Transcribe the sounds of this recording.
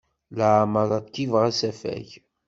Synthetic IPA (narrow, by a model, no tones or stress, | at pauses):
ləʕməɾˤɑd̪kːivʁæsæfæ̰ç